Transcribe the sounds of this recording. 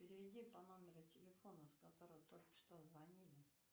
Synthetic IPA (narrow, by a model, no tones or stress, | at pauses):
pʲɪɾʲɪvʲɪdʲipɐno̞mʲɪɾʊtʲɪlʲɪfo̞nəskɐt̪o̞ɾəjət̪o̞lʲkə̥ʂt̪ozvɐnʲilʲɪ